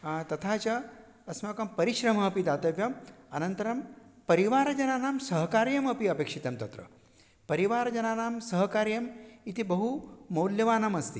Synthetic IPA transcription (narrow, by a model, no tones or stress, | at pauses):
t̪ɐt̪ʰaːt͡ʃɐː | smɐkɐmpɐɾiʃɾɐm̤ɐɐpid̪aːt̪ɐʋjɐmɐnɐnt̪ɐɾɐmpɐɾiʋaːɾɐd͡ʒɐnaːnaːmsɐɦkaːɾjɐmɐpiɐpeːkʂit̪ɐmt̪ɐt̪ɾɐ̰ | pɐɾiʋaːɾɐd͡ʒɐnaːnaːmsɐɦɐkaːɾjɐmit̪ibɐɦumɐwljɐʋaːnamɐst̪i